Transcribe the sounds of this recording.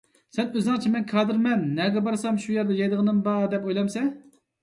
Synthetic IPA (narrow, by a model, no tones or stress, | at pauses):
sɛnøznæŋt͡ʃʰimɛnkʰɑːd̪ɨɾmɛnːɛɡʲɛbɑɾsɑmʃujɛɾd̪ɛjɑjd̪əʁənɨmbɑd̪ɛpojlˠɑmsɛ